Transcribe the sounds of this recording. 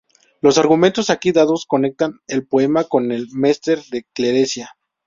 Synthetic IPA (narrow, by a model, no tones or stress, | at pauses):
lo̞saɾɣument̪o̞sakiðaðo̞sko̞ne̞k̚t̪ane̞lpoe̞mako̞ne̞lme̞st̪e̞ɾðe̞kle̞ɾesja